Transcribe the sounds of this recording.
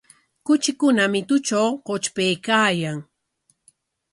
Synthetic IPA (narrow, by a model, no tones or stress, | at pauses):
kʊt͡ʃɪkʊnamɪt̪ʊt͡ʃawqot͡ʃpejkaːjaŋ